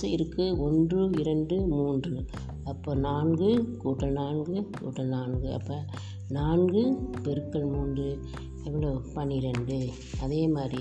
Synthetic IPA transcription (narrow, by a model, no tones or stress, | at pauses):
ɐɪɾɯkːɯɔndrɯɪɾɐɳɖɯmuːndrɯ | ɐpːoːnaːnɡɯkuːʈːɐlnaːnɡɯkṵːʈːɐlnaːnɡɯɐ̰pːɐː | naːnɡɯpɛɾɯkːɐɭmuːnɖrɯ | ɛʋɐɭoːpɐnːiɪɾɐɳɖɯ | ɐðeːmaːd̪ɾi